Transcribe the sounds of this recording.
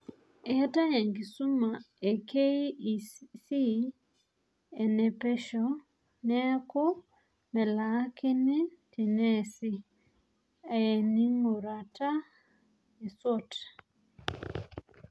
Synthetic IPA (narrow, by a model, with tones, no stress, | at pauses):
ɛ˨˦ta˦jɛ˨ŋɡi˨su˦ma˨ | e˨kʰe˦˨ | si˦ | ɛ˨nɛ˨pɛ˦ʃɔ˨ | nɛ˦ko˦ | mɛ˨la˨˦ke˦ne˦ti˨nɛ˦˨si˦ | a˨jɛ˨ni˦ŋo˨ɾa˨ta˦ | e˨sɔ˦t